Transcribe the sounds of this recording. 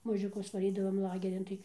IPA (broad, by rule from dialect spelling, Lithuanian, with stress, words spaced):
mɐʒʲʊˈkʊs ʋɐˈrʲiːdɐʋɐm ˈlˠɑːɡʲɛrʲɪn ˈtɐɪ